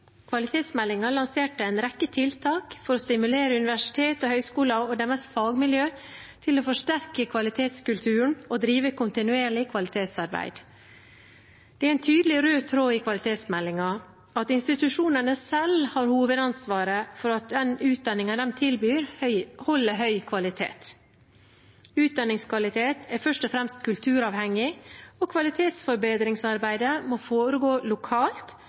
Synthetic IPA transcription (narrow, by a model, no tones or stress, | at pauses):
kʰʋɑlɪt̪ʰeːt̪smɛlːɪŋɑlɑnseːʈəæɪnɾɛkːət̪ʰɪlt̪ʰɑːkfɔɾɔst̪ɪmʉleːɾəʉnɪʋæʂɪ̥t̪ʰeːt̪ɔhœʏskuːlɑɔd̪ɛmɛsfɑːɡmɪljøː | t̪ʰɪlɔfɔʂʈæɾkəkʰʋɑlɪt̪ʰeːt̪skʉlt̪ʰʉːɳ̩ɔd̪ɾiːʋəkʰʊnt̪ɪnʉeːɭɪkʰʋɑlɪt̪ʰeːt̪sɑɾbæ̰ɪd̪ | d̪̥ɛæɾɛnt̪ʰyːd̪əlɪɾøːt̪ʰɾoːɪkʰʋɑlɪt̪ʰeːt̪smɛlːɪŋɑ | ɑt̪ɪnst̪ɪt̪ʉʂuːnənəsɛlhɑɾhuːʋəd̪ɑnsʋɑːɾəfɔɾɑt̪̚d̪ɛnʉːt̪̚d̪ɑnːɪŋɑnd̪ɛmt̪ʰɪlbyːɾhɔlːəɦœʏkʰʋɑlɪt̪ʰḛːt̪ | ʉːt̪̚d̪ɑnɪŋskʋɑlɪt̪ʰeːt̪ʰæɾfœʂʈɔfɾɛmst̪kʰʉlt̪ʰʉːɾɑːʋhɛŋːɪɔkʰʋɑlɪt̪ʰeːt̪sfɔɾbeːd̪ɾɪŋsɑɾbæɪd̪əmɔfoːɾəɡoːlʊkʰɑːlt̪